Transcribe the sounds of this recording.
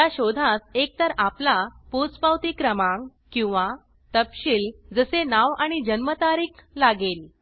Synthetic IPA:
jjaɕod̪ʱãsek̚t̪əɾaplapot͡spawt̪iːkɾəmãŋkĩw̃ʋa | t̪əpɕiːld͡zəsenaʋaɽ̃id͡ʑənmət̪aɾiːklaɡel

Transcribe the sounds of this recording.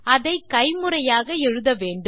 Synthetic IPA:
ɐðɐɪkɐɪmɯrɐjaːɣɐɛɻɯðɐʋeːɳɖɯ

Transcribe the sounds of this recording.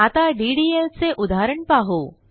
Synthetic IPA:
at̪aɖiɖielt͡seʔud̪ʱaɾəɳpaɦo

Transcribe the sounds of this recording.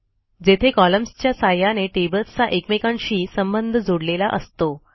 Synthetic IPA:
d͡zet̪ʰekɔləmst͡ɕjasajaneʈebət̪t͡saʔekmekãnɕiːsəmbənd̪ʱəd͡zoɽlelaʔəst̪o

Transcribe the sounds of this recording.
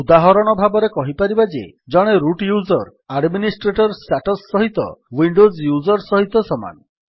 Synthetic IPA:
ud̪aɦɔɾɔɽ̃ɔbʱabɔɾekɔɦipaɾibad͡ʒḛ | d͡ʒɔɽ̃eɾuʈjuzɔɾ | aɖminisʈɾeʈɔɾsʈaʈɔsːɔɦit̪ɔ̰wiɳɖozjuzɔɾsɔɦit̪ɔsɔma̰n

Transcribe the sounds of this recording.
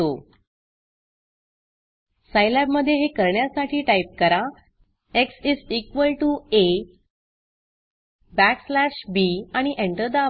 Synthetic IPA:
o | sajlabməd̪ʱːjeɦekəɾɳjasaʈʰiːʈajp̚kəɾa | eksiːd͡zikʋəlʈue | bækslæɕbiaɽ̃iʔẽɳʈəɾd̪a

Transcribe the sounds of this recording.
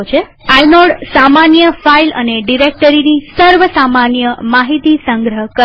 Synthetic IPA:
t͡ʃʰe | ajnɔɽsamanjəfailə̰neɖiɾek̚ʈəɾinisəɾʋəsamanjəmaɦit̪isəŋɡɾəɦəkə

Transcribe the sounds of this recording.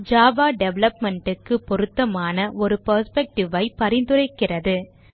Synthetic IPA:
d͡ʒaːʋaːɖɛʋɛlɐpmɛɳɖɯkːɯpːɔɾɯt̪ːɐmaːnɐʔɔɾɯpɐɾspɛk̚ʈɪʋɐɪpɐɾɪnd̪ɯɾɐɪkːɪrɐðɯ

